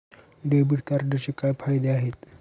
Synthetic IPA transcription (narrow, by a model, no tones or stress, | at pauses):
ɖebiʈkaɾɖəɾt͡ɕekajfajd̪eaɦet̪